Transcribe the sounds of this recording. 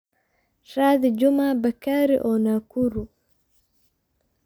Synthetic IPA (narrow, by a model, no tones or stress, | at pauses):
saːd̪id͡ʒumabɐkaːɾḭʔɔnakuɾu